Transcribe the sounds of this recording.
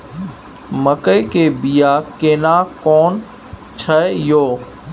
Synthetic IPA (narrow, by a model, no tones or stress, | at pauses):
məkəjkeːbijaːkeːnaːkɔːn | t͡ʃʰəjoː